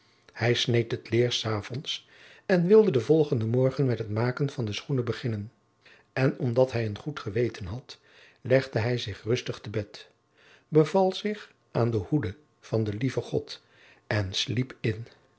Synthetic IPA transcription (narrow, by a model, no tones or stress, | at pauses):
hɛjsnejtətlɪːɹsaːvɔns | ɛnʋɪlˠdədəvɔlˠχəndəmɔɹχənmɛtɦətmaːkənv̥ɑndəsχunəbəχɪnən | ʔɛnɔmdɑtɦɛjənχutχəʋejtənɦɑt | lɛχdəɦɛjzɪχrɵstəχtəbɛt | bəvɑlˠz̥ɪχ | ʔaːndəhudə | v̥ɑndəlivəχɔt | ɛnslipɪn